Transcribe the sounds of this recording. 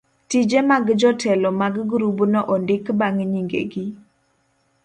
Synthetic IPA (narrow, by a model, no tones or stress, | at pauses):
tid͡ʒemaɡd͡ʒɔtʰɛlɔmaɡɡɾubnɔʔɔndɪkbaŋɲiŋɡḛɡi